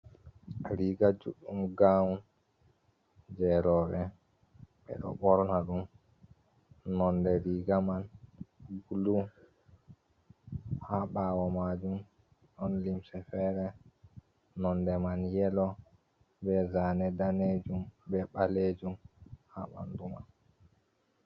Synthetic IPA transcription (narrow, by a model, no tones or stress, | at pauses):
ɾiɡad͡ʒṵɗːumɡawun | d͡ʒɛɾɔɓɛ | ɓɛ̰ɗɔ̰ɓɔɾɔnaɗum | nɔndɛɾiɡaman | ɡulu | haɓaːwɔmad͡ʒum | ɗɔnlimsɛfɛɾɛ | nɔndɛmanjɛlɔ | bɛzanɛdaned͡ʒumbɛɓaled͡ʒumha̰ɓa̰nduma̰n